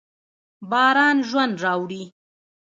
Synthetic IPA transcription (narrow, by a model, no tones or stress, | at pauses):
bɑːɾɑːnʒwand̪ɾɑːwɽi